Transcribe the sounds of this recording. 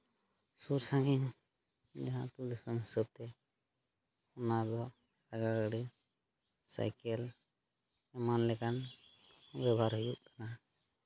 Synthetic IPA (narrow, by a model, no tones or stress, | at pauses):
suɾsãɡiɲ | d͡ʒaɦãt̪ud̪ɛsɔmɦisəb̚t̪ɛ | unad̪ɔ | saɡaɡəɽi | sa̰jkɛl | ɛmanlɛkan | bɛbʱaɾɦujuʔkana